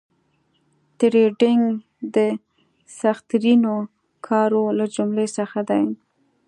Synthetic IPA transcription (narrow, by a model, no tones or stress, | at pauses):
t̪ɾeɖɪŋɡ | d̪ə | saxt̪ɾino | kʰɑɾolad͡ʒʊmlesəxad̪aj